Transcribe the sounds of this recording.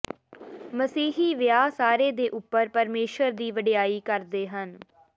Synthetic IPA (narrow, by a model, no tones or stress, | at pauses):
məsiːɦiːʋjaːsaːɾeːd̪eːʔʊpːəɾpəɾmeːʃəɾd̪iːʋəɖɪjaːiːkəɾd̪eːɦən